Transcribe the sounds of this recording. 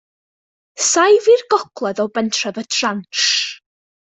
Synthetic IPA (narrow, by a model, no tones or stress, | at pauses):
sajvirɡɔkʰlˠɛðɔbɛntʰrɛvətʰranʃ